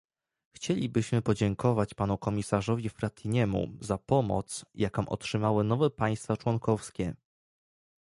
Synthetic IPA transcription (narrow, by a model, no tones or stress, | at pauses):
xt͡ɕelʲibɘɕmɘpɔd͡ʑɛŋkʰɔvat͡ɕpanukɔmʲisaʐɔvʲifɾat̪ʰiɲɛmṵzapɔmɔ̰t̪sjʔakɔ̃w̃ʔɔ̰tʂɘmawɘnɔvɛpaj̃st̪fat͡ʂwɔŋkɔfskʲɛ